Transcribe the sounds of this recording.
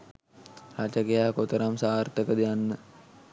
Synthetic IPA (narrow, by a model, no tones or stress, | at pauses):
ɾat͡ʃakejaːkot̪əɾamsaːrt̪əkəd̪ijanːə